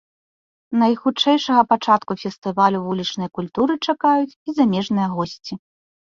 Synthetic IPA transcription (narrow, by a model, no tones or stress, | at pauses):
nɐjxut͡ʂɛjʂɐɣɐpat͡ʂat̪kufʲɛst̪ɨvalʲuvulʲit͡ʂnɐjkulʲt̪uɾɨt͡ʂakajut͡sʲizamʲɛʐnɨjɐɣɔsʲt͡sʲi